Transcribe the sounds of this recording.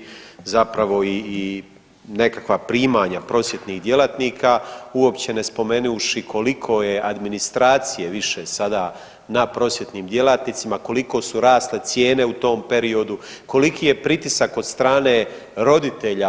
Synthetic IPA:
zapɾaʋo̞iː | ne̞kakʋapɾiːmaːɲapɾo̞sje̞t̪niːɣd̪je̞lat̪niːkʰaːuo̞pt͡ɕe̞ne̞spo̞me̞nuuʃikʰo̞likʰo̞je̞ʔad̪minist̪ɾaːt̪sijeʋiʃesad̪aː | napɾo̞sjet̪niːmd̪je̞lat̪nit̪simako̞liko̞ːsuɾaːst̪le̞t̪sje̞ːne̞ut̪o̞ːmpe̞ɾio̞d̪uko̞likiːje̞pɾit̪isako̞d̪st̪ɾaːne̞ː | ɾo̞d̪it̪e̞ʎa

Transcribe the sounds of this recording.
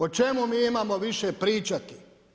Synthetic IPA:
ot͡ʃemumiːimamo̞ʋiʃepɾiːt͡ʃat̪i̥

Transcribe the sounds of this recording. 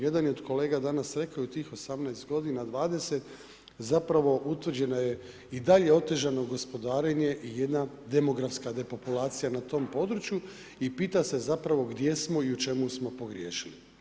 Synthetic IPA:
je̞d̪anio̞d̪ko̞leːɡad̪anasɾe̞kaout̪iːxo̞samnajst̪ɡo̞d̪inad̪ʋaːd̪e̞se̞t̪ | zapɾaʋo̞ʔut̪ʋr̩d͡ʑe̞noje̞ | id̪aʎe̞o̞t̪e̞ʒano̞ɡo̞spo̞d̪aːɾe̞ɲe̞ʔije̞d̪na | d̪e̞mo̞ɡɾafskad̪e̞po̞pulaːt̪sijanat̪o̞mpo̞d̪ɾut͡ʃju | ipiːt̪ase̞zapɾaʋo̞ɡd̪je̞smo̞iut͡ʃe̞musmo̞po̞ɡɾijeːʃili

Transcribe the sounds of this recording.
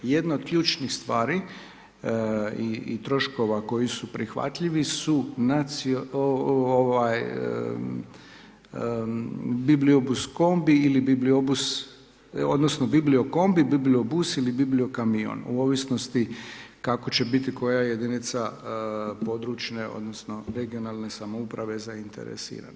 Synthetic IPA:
je̞d̪naod̪̥̚kʎʲuːt͡ʃnixst̪ʋaːɾi | ḭːt̪ɾo̞ʃko̞ʋako̞jisupɾixʋa̰t̪ʎiʋisunat̪sioooʋaj | bibliobusko̞mbiilibibliobus | o̞d̪no̞sno̞biblio̞ko̞mbibibliobusilibiblio̞kamio̰nṵo̞ʋisno̞st̪ikako̞t͡ɕe̞bit̪iko̞jaje̞d̪init̪sa | po̞d̪ɾut͡ʃneo̞̰d̪no̞sno̞ɾe̞ɡio̞nalˠne̞samo̞upɾaʋe̞zaint̪e̞̰ɾḛsḭːɾa̰na

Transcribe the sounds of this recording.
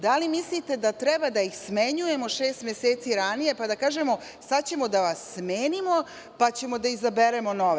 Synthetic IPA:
d̪alimislit̪e̞d̪at̪ɾebad̪ajixsmeɲuje̞mo̞ʃe̞ːst̪mʲje̞seːt̪siɾanije̞pad̪akaːʒe̞mo̞ | sat͡ɕe̞mo̞d̪aʋasːmeːnimo̞ | pat͡ɕe̞mo̞d̪aizabeɾe̞mo̞no̞ʋe

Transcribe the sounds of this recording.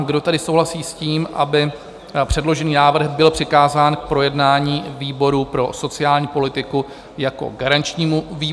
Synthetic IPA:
ɡdo̞t̪adɪsowlasiːsciːmʔa̰bɪ | pr̝̥ɛdlo̞ʒɛniːnaːvr̩ɣbɪlpr̝̥ɪkaːzaːnk̚pɾo̞jɛdnaːɲiːviːbo̞ɾupɾo̞so̞t͡sɪaːlɲiːpo̞lɪt̪ɪku | jako̞̰ɡaɾant͡ʃɲiːmuviː

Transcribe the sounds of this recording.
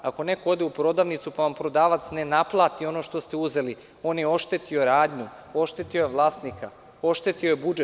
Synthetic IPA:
ako̞nekood̪eupɾo̞d̪aːʋnit̪supaʋampɾo̞d̪aːʋat̪sne̞naplˠaːt̪io̞noʃt̪o̞st̪euze̞li | o̞ːnjeo̞ʃt̪et̪io̞ɾaːd̪ɲu | o̞ʃt̪et̪io̞jeʋlˠaːst̪nika | o̞ʃt̪et̪iojebud͡ʒe

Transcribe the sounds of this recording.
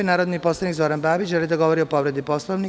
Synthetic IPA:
enaːɾod̪nipo̞slˠanik̪zo̞ɾanbaːbit͡ʃʒelid̪aɡo̞ʋo̞ɾio̞po̞ʋɾe̞d̪ipo̞slˠoʋni

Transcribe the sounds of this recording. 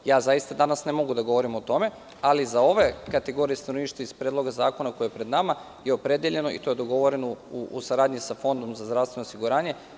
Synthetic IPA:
jaːzajist̪ad̪anasne̞mo̞ɡud̪aɡo̞ʋo̞ɾimot̪o̞me̞ | alizao̞ʋe̞kat̪e̞ɡo̞ɾijest̪anoniːʃt̪aispɾed̪lo̞ɡazaːko̞nako̞jeepɾe̞d̪nama | jeo̞pɾe̞d̪jeʎe̞no̞ḭt̪o̞je̞d̪o̞ɡo̞ʋo̞ɾe̞nouusaɾaːd̪ɲisafo̞nd̪o̞mzazd̪ɾaʋsʋe̞nosiɡuɾaːɲe̞

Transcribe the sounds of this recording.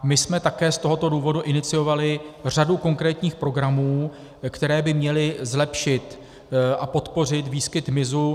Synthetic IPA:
mɪsmɛt̪akɛːst̪o̞ɦo̞t̪o̞duːvo̞duʔɪnɪt͡sɪjo̞valɪr̝aduko̞ŋkɾɛːt̪ɲiːxpɾo̞ɡɾamuː | kt̪ɛɾɛːbɪmɲɛlɪzlɛpʃɪt̪ | ʔapo̞t̪po̞r̝ɪt̪viːskɪt̪mɪzu

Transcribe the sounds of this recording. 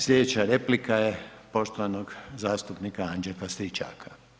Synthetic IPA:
slʎʲed̪et͡ɕaɾeplikajepo̞ʃt̪oʋanoɡzaːst̪upnikaand͡ʒefast̪ɾit͡ʃa̰kʰḁ

